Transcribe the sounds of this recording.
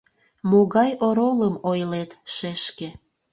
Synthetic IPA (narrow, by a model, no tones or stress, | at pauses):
moɣɑjoɾoləmojlet̪ʃeʃkĕ